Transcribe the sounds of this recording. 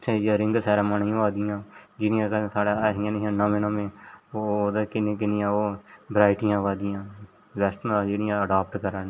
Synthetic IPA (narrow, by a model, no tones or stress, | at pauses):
t͡ʃʰejaːɾɪ̃ŋɡsɛːɾãːmanijãːʋaːd̪ɪjãːd͡ʒɪɽɪjãːkəsaːɽːaːɦɪjãːnɪɦãːnɔ̃ːmɪnãːmẽːoːd̪akɪnẽːkɪnɪjãːoːbɾaːɪʈɪjãːʋaːd̪ɪjãː | ʋɛsʈnad͡ʒeːɽɪjãːəɖaːp̚ʈkəɾaːn